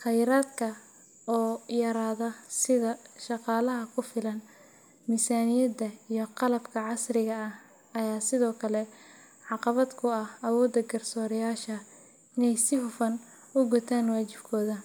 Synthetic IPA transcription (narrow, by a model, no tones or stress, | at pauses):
χɛjɾaːd̪kʰɐ | ɔːjɐɾaːðɐsɪðɐʃɑqɑːlɐɦɐkʰʊfɪlɐn | mɪsaːnɪjɐd̪ɐijɞqɑlɐbkʰɐʕɑsrɪɣɐːh | ɐjaːsɪðɔːkʰɐlɛ | ʕɑqɑβɐd̪kʰʊɐhɐwɔːd̪ɐɡɐrsɔːɾɪjaːʃɐ | ɪnɛjsɪɦʊfɐn | ʊɡʊt̪ʰaːnwaːt͡ʃɪb̥kʰɔːðɐ